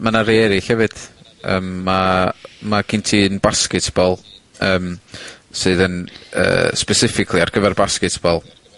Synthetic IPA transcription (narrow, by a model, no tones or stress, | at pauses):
manaɾeɛɾɪɬhɛvɨd̥ | ə̰ːmːamaɡʰɪntʰinbaskɪtʰb̥ɔlˠ | əːmsɨðənə̰ːspɛsɪfɪkʰlˠiarɡ̥əvɛrbaskɨtʰb̥ɔlˠ